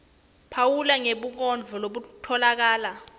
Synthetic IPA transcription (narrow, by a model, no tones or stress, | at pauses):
pʰawulaŋeɓuk̬ɔnd͡ɮʱɔloɓutʰɔlak̬aːla